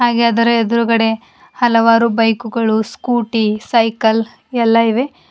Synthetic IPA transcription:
ɦaːɡeɐd̪ɐɾɐed̪ɐɾukɐɽe̞ | hɐlɐʋaːɾubɐjkuɡɐɭuskuːʈisɐjkɐl | ɛlːɐiʋe̞

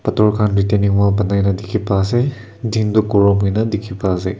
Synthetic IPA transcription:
pɐtʰɔɹkʰanɹiteniŋwapɐnajnɐdikʰipaze | dindukɔɹɔmɦujnɐdikʰipazej

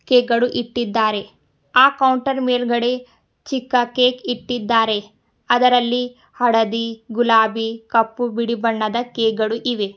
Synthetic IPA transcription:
keːkɡɐɽuʔiʈːid̪ːaːɾe̞ | aːkɐwɳʈɐɾmeːlɡɐɽe̞ | t͡ʃikːɐkeːkiʈːid̪ːaːɾe̞ | ɐd̪ɐɾɐlːi | hɐɽɐd̪iɡulaːbikɐpːubiɽibɐɳːɐd̪ɐkeːkɡɐɭuʔiʋe

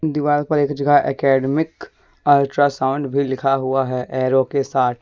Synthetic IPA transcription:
d̪ɪʋaːlpɐɾeːkd͡ʒəɡaʔɛ̰ːkɛːɖmɪk | əlʈɾasaʊ̃ɳɖbʱilɪkʰaɦʊaɦɛʔɛːɾokesaːt̪ʰ

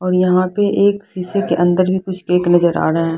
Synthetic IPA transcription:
ɔːɾjɐɦãpeʔeːksiːsekeʔɐ̃nd̪əɾbʱikʊt͡ʃʰkeːknɐzəɾa̰ːɾɐɦɛ̃ː

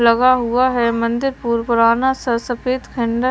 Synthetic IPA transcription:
lɐɡaɦuaɦɛmɐ̃nd̪ɪɾpuːɾpəɾaːnasɐɾsɐpeːt̪kʰɛ̃ɳɖə

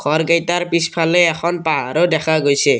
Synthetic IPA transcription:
ɡʰɔɹɡajtaɹpispʰalɛːxʰɔnpaɦa̰ɾɔdɛxʰaɡojsʰɛ

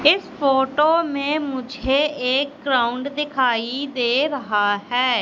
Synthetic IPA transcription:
ɪspoːʈoːmẽːmʊd͡ʒʱeeːk̚ɡɾaːʊɳɖd̪ɪkʰaːid̪eːɾɐɦaɦɛː

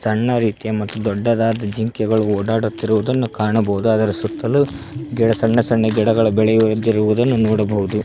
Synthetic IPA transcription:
sɐɳːɐɾiːt̪ijɐmɐt̪ːud̪ɔɖːɐd̪aːd̪ɐd͡ʒiŋkjɛɡɐɭuɔːɽaːɽut̪ːiɾuʋud̪ɐnːukaːɳɐbɐɦud̪uɐd̪ɐɾɐsut̪ːɐlu | ɡɛɽɐsɐɳːɐsɐɳːɐɡɛɽɐɡɐɭɐbɛɭɛjuɾud̪iɾuʋud̪ɐnːunɔːɽɐbɐɦud̪u

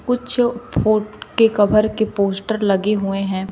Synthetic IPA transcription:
kʊt͡ʃʰfʰoːʈkekɐbʱəɾkepoːsʈəɾlɐɡeɦueɦɛ̃ː

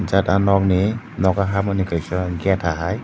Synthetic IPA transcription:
zatanɔk̚ni | nɔkaɦamanikʰɯjsɔɡatʰaɦaj

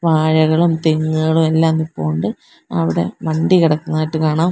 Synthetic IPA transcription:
ʋaːɻɐɣɐɭumt̪eŋːɨɣɐɭumelːaːnːipːoːɳɖɨ | ɐ̰ʋiɽe̞̰ʋɐɳɖikiɽɐkːunːaːjiʈːɨkaːɳaːm

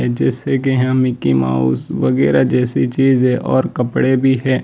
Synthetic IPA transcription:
ɛd͡ʒɛːsekeɦãmɪkima̰ːṵːsʋɐɡɛːɾad͡ʒɛːsit͡ʃiːzɛ̃ʔɔ̰ːɾkɐpɽebʱiɦɛ̃ː

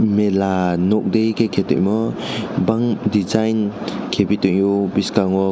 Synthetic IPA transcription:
melanɔk̚dejkʰekʰetɯ̰jmɔbaŋdizajnkʰebituŋjubiskaŋɔ

